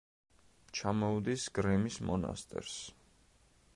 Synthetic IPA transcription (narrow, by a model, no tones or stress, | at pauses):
t͡ʃʰamɔud̪isɡɾɛmismɔna̰st̪ʼɛ̰ɾs